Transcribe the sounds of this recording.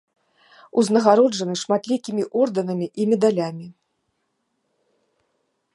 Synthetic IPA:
uznɐɣaɾɔʐɐnɨʂmat̪lʲikʲimʲiʔɔrd̪ɐnɐmʲiʔimʲɛd̪alʲamʲi

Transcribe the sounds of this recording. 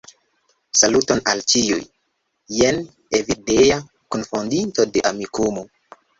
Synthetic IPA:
salutona̰lt͡ʃiṵjː | en | evideja | konfondinto̞de̞ʔamikumo

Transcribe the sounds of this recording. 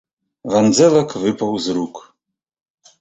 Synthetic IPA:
vand͡zɛlakʰvɨpʰawzɾukʰʼ

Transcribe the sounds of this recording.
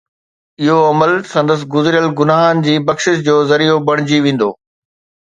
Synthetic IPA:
ɪɦoɐməlsɐ̃nd̪əs̬ɪ̆ɡʊzɪɾijəlɡʊnaːɦənd͡ʑiːbɐkʃɪʃd͡ʑoːzɐɾijobɐɽ̃ɪd͡ʑiʋẽːn̆d̪o̰ː

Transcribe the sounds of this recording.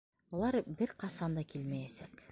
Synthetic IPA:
ulˠɑɾbɘɾqɑsɑnd̪ɑkilmæjesæk

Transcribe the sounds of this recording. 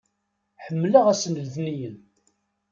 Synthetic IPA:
ħəmːləʁæsnəlðnijən

